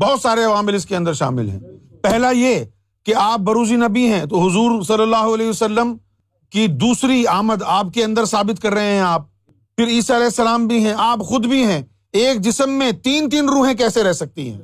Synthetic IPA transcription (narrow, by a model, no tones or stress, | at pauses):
bɔɦɔt̪saːɾeɐʋaːmɪlɪskeɐ̃nd̪əɾʃa̰ːmɪ̰lɦɛ̰̃ːpɛɦlaje | keaːp̚bɐɾuːd͡ʒinɐbiɦɛ̃t̪oɦʊzuːɾsɐlːəlːaːɦoɐlɛːɦiʋɐsɐlːəm | kid̪uːsɾiaːməd̪aːp̚keɐ̃nd̪əɾsaːbɪt̪kɐɾːɐɦẽɦɛ̃aːp̚ | fɪɾiːsaɐlɛːɪsːɐlaːmbʱiɦɛ̃ʔaːpxʊd̪bʱiɦɛ̃ː | eːk̚d͡ʒɪsəmːẽt̪iːnt̪̬iːnɾuːɦẽk̬ɛːseɾɛɦsɐk̚t̪iɦɛ̰̃ː